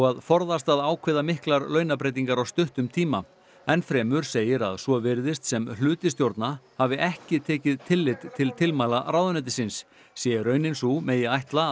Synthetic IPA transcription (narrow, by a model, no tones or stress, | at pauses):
ɔɣaðfɔɾðast̪aðaːwkʰvɪːðamɪhklaɾlœɥnapɾejt̪̬iŋkaɾawst̪ʏht̪ʏmt̪ʰiːma | ɛnfɾɛːmʏɾ̥seːjɪɾa̰ðswɔvɪɾðɪst̪sɛmlʏːt̪ɪst̪jowɾt̪nahavɪʔɛhcɪt̪ʰɛːcɪðt̪ʰɪlːɪt̪t̪ʰɪlt̪ʰɪlmajlaɾawðʏnɛt̪̬ɪsɪnsː | jɛːɾœɥnɪnsumeːjɪajht̪la